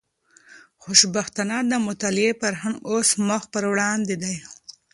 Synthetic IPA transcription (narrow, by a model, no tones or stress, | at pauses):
xʊʃbaxt̪anad̪əmʊt̪ɑlɪepəɾɦaŋɡosmʊxpəɾwɽɑnd̪ed̪aj